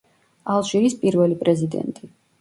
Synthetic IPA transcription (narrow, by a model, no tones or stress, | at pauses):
alˠʃiɾispʼiɾvɛlipʼɾɛzid̪ɛ̰nt̪ʼi